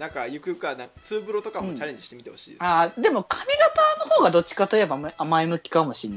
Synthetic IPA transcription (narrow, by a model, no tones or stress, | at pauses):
nãŋkajɯkɯ̟jɯkanãŋkt͡sɨːbɯ̟ɾo̞t̪o̞kam̃õːt͡ɕaɾe̞ɲd͡ʑiɕi̥t̪emit̪e̞ho̞ɕḭːd̪aːd̪e̞mo̞kʰamʲiɡat̪aːno̞ho̞ːɡad̪o̞t͡ɕːi̥kat̪oje̞baamaimɯ̟kʲi̥kamo̞ɕĩnːa